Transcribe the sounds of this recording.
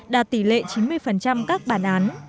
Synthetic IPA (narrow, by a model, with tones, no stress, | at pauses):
ɗaː˧˩t̪i˧˩lḛ˧˨t͡ɕi˨˦nmɨ˧əjfə˨˩nt͡ɕa˧mkaː˦˥k̚ɓaː˧˩nʔaː˨˦n